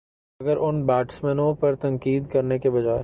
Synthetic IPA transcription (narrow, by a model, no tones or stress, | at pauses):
ɐɡəɾʊnbaːʈsmɛnõpɐɾt̪ɐ̃ŋkiːd̪kɐɾnekebɐd͡ʒaːe